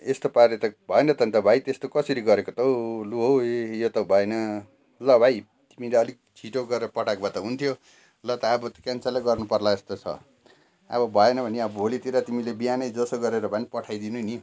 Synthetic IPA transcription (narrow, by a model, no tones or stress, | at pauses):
est̪opaɾet̪ʌbʱʌenʌt̪ʌnt̪ʌbʱajt̪est̪okʌsʌɾiɡʌɾekot̪ʌwluɦowejot̪ʌwbʱʌenʌ | lʌbʱaj | t̪imileʌlik̚t͡sʰiʈoɡʌɾeɾʌpʌʈakbʱʌt̪ʌɦunt̪ʰjo | lʌt̪ʌːbʌt̪ʌ̥kjant͡saleɡʌrnupʌrlaest̪ot͡sʰʌ̰ | a̰bʌbʱʌenʌbʱʌniʌbʌbʱolit̪iɾat̪imilebijanʌjd͡zʌsoɡʌɾeɾʌbʱʌnipʌʈʰajd̪inuni